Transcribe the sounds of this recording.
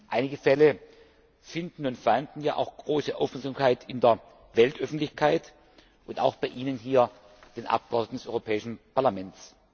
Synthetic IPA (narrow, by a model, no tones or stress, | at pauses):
ʔaɪnɪɡəfɛlə | fɪndn̩ʊntfandn̩jaːʔa̰ʊxɡ̥ʁoːsəʔaʊfmzamkaɪtʰɪndeːɐ | vɛltʔœfn̩tlɪçkʰaɪt | ʔʊnta̰ʊxb̥aɪʔiːnənɦiːɐ | d̥eːnʔa̰p̚ɡ̥əɔdn̩dɛsʔɔʏʁopʰɛːɪʃn̩pʰaɐlamɛnts